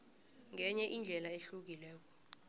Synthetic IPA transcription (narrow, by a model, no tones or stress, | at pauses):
ŋʱɛɲɛʔind͡ɮʱɛlaeɬuk̬ilɛːk̬ɔ̥